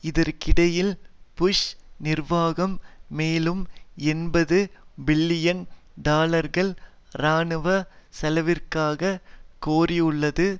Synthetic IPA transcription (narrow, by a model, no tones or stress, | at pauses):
ɪðɐɾkɪɽɐjɪlpʊʂnɪrʋaːɣɐmːeːlɯmɛnbɐðɯbɪɭːɪjɐn | d̪aːlɐɾɣɐɭ | ɾaːɳɯʋɐsɐlɐʋɪrkaːɣɐkoːrɪɯɭːɐðɯ